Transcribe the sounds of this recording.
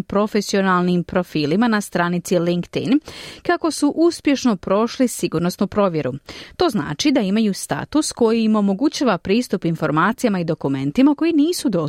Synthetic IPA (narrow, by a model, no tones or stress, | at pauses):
pɾo̞fe̞sio̞nalnimpɾo̞fiːlimanast̪ɾaːnit̪siliŋkt̪ḭnkako̞suʔuspje̞ʃno̞pɾo̞ʃlisiɡuɾnosnupɾo̞ʋje̞ɾut̪o̞zna̰ːt͡ʃid̪aimajust̪a̰t̪usko̞jiimo̞mo̞ɡut͡ɕaːʋapɾiːst̪upinfo̞ɾmaːt̪sijamaid̪o̞kume̞nt̪imako̞jiniːsud̪o̞